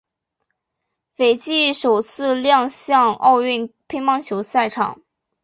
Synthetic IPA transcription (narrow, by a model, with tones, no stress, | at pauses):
fe˨˩ɪt͡ɕi˥˩ʂo˨˩ʊt͡sʰɹ̩˥˧ljɑ˥˧ŋɕjɑ˥˧ŋɑ̰˥˧ʊy˥˩npʰi˥ŋmɑ˥˧ŋt͡ɕʰjo˧˥ʊsa˥˩ɪʈ͡ʂʰɑ̰˨˩˦ŋ